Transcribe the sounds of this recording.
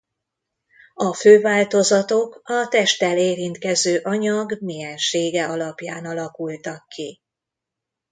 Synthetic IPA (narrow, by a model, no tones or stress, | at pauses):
ɒføːvaːlt̪o̞zɒt̪o̞kɒt̪ɛʃt̪ɛleːɾint̪kɛzøːʔɒɲɒɡmijɛnʃeːɡɛɒlɒpjaːnɒlɒkult̪ɒkːi